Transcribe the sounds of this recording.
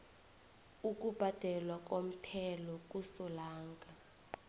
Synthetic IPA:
uk̬ʼub̥ʱad̥ʱɛlwak̬ʼom̩tʰɛlɔk̬ʼusɔlaːŋɡʱa

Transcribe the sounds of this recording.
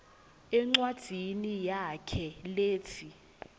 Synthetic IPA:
ɛŋ͡ǀwad̥ʱinijakʰɛleːt͡sʰi

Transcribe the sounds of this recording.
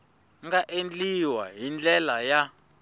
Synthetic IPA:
ŋɡaʔend͡ɮiwaɦind͡ɮɛlaja

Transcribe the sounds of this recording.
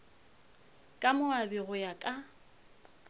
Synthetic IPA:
kʼamʊabɪɣʊjakʼa

